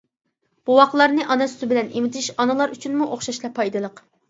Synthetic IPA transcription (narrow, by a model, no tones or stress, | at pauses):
b̥uwɑqlˠɑɾnɨʔɑnɛsy̥t̪ɪbɪlɛnʔimɪt̪ʰɪʃɑnɨlˠɑɾyt͡ʃʰynmuʔoχʃɑʃlˠɑpʰɑjd̪ɨlˠəq